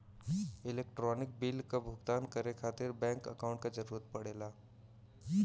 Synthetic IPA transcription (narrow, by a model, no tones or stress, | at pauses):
ɪleːk̚ʈɾɔːnɪk̚biːlkabʱʊɡt̪aːnkəɾekʰaːt̪ɪɾbɛ̃ːŋkɐ̰kaʊ̃ɳʈ̚kad͡ʒɐɾuːɾət̪̚pɐɽeːlaː